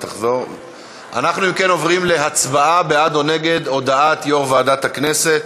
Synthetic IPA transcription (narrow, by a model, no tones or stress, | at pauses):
t̪aχzo̞ʁ | a̰naχnuimke̞no̞vʁimle̞ɦat͡sbaʔabead̪o̞ne̞ɡe̞d̪o̞d̪aat̪jo̞ʁvaaːd̪at̪hakne̞se̞t̪